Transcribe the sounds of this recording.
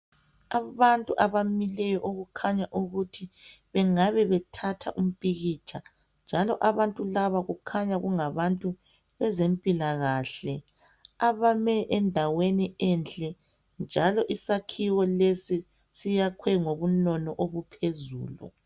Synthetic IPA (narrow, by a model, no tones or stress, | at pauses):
aβantʼuʔaβamilɛjɔʔoɣukʰaɲaʔuɣutʰi | βɛŋaβɛβɛtʰatʰa̰ʔum̩pʼiɣit͡ʃʰʼa | nd͡ʒʱalɔʔaβantʼulaβaɣukʰaɲaɣuŋaβantʼu | βɛzempʼilaɣaɬɛ | aβamɛʔɛndʱaweniɛnt͡ɬʼɛ | nd͡ʒʱalɔʔisakʰiwɔlesi | sijakʰwɛŋoβunɔnɔʔoβupʰezṵːlṵ